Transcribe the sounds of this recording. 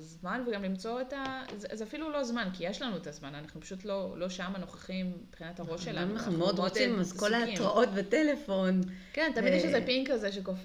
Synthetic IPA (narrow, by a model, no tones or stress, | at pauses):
zmanveɡamlimt͡so̞etazzafilulo̞zmankijeʃlanuet̪azmananaχnupḁʃutlo̞lo̞ʃamano̞χaχimib̥χinataʁo̞ʃʃelaamanaχnumeod̪ʁot͡simazko̞laːtʁaʔo̞t̪betele̞fo̞nkent̪amid̪jɛʃezepiŋkazeʃ̬ekof